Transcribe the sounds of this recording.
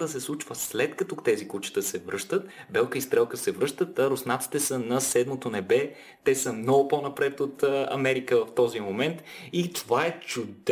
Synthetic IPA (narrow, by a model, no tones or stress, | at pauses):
d̪əsɛslˠut͡ʃvəslɛt̪kɐt̪ɔt̪ɛzikut͡ʃi̥t̪əsɛvɾɤʃt̪ət̪bɛlˠkəist̪ɾɛlˠkəsɛvɾɤʃt̪ət̪ɾosnat̪si̥t̪ɛsənɐsɛd̪mot̪onɛbɛ | t̪ɛsəmnɔɡʊponɐpɾɛt̪ot̪ːɐ̰mɛɾikəvɐft̪ɔzimomɛnt̪it̪ovaɛt͡ʃʊd̪